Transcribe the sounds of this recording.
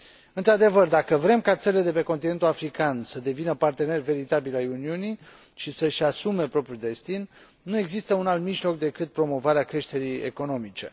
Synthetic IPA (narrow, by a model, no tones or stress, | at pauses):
ɨnt̪ɾad̪e̞vərd̪akəvɾe̞mkat̪seled̪e̞pe̞ko̞nt̪ine̞nt̪uafɾikansəd̪e̞vinəpart̪e̞ne̞rve̞ɾit̪abilajuniuni | ʃisəʃʲasume̞pɾo̞pɾʲjud̪e̞st̪inː | ue̞ɡzist̪əunalt̪miʒlo̞k̚d̪e̞kɨt̪̚pɾo̞mo̞vaɾeakɾe̞ʃt̪e̞ɾijḛko̞no̞mit͡ʃe̞̰